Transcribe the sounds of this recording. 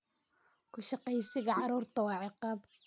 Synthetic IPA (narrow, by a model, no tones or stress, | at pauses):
kʰʊʃɑqɛjsɪɣɐʕɑɾuːrt̪ʰɐwɑːʕɪqɑːb